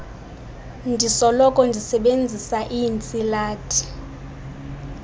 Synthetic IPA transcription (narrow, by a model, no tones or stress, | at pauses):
ndʱisɔlɔkʼɔndʱisɛɓend͡zʱisaʔint͡sʼilaːtʰʼi̥